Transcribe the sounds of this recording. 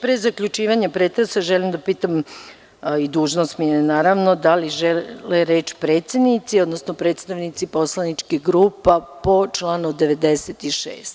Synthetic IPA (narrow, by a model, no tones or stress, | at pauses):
pɾezakʎʲut͡ʃiːʋaɲapɾet̪ɾesaʒelimd̪apiːt̪am | id̪uːʒnost̪miɛnaːɾaʋnod̪aliʒɛleɾeːt͡ʃpɾe̞ːt̪sjed̪nit̪sio̞d̪nosnopɾet̪st̪aʋnit̪sipo̞slˠanit͡ʃkiɡɾuːpapo̞t͡ʃlˠaːnud̪e̞ʋe̞d̪eset̪iʃḛːst̪